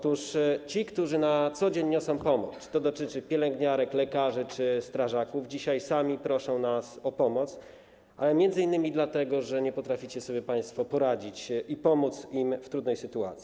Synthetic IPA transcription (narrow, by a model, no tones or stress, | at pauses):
ɔt̪uʂt͡ɕikt̪uʐɘnat̪sɔd͡ʑeɲːɔsɔ̃w̃pɔmɔt̪t̪ɔd̪ɔt̪ɘt͡ʂɘpʲjɛlɛŋɡɲaɾɛklɛkaʐɘt͡ʂɘst̪ɾaʐakuvd͡ʑiɕajsamʲipɾɔʂɔ̃w̃nasɔpɔmɔt̪s | ʔa̰lɛmʲjɛnd̪zɘinːɘmʲid̪lat̪ɛɡɔʐɛɲɛpɔt̪ɾafʲit͡ɕɛsɔbʲjɛpaj̃st̪fɔpɔɾad͡ʑit͡ɕipɔmut̪simft̪ɾud̪nɛjsɘt̪ua̰t̪sʲi